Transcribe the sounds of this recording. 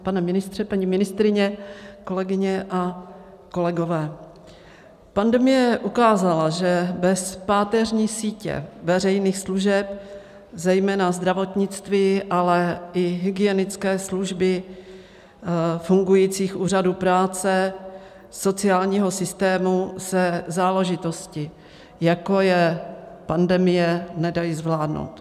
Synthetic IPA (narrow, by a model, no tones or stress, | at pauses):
panɛmɪnɪst̪r̥ɛpaɲɪmɪnɪst̪ɾɪɲɛko̞lɛɡɪɲɛʔa | ko̞lɛɡo̞vɛː | pandɛmɪjɛʔukaːzalaʒɛbɛspaːt̪ɛrɲiːsiːcɛ̰vɛrɛjniːxsluʒɛp | zɛjmɛːnazd̪ɾavo̞t̪ɲɪt͡st̪viːʔalɛʔɪɦɪɡɪjɛnɪt͡skɛːsluʒbɪ | fuŋɡujiːt͡siːxʔuːr̝adupɾaːt͡sɛ | so̞t͡sɪaːlɲiːɦo̞sɪst̪ɛːmusɛzaːlɛʒɪt̪o̞scɪ | jako̞jɛpandɛmɪjɛnɛdajizvlaːdno̰wt̪